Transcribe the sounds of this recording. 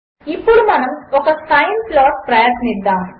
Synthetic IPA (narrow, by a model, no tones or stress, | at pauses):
ipːuɽumɐnɐmɔkɐsɐjnplɔːʈpɾɐjɐt̪nid̪ːaːm